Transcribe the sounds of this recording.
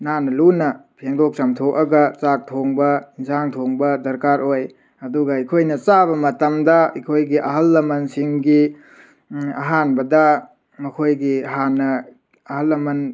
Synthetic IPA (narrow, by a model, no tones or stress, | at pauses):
nanɐlunɐpʰeŋdok̚sɐmtʰokɐɡɐt͡ʃak̚tʰoŋbɐinsaŋtʰoŋbɐdɐɾkaɾoj | ɐduɡɐikʰojnɐt͡ʃabɐmɐtɐmdɐikʰojɡiʔɐɦɐlːɐmɐnsiŋɡi | ɐ̰ɦanbɐdɐ | mɐkʰojɡiɐɦanːɐ | ɐhɐlːɐmɐn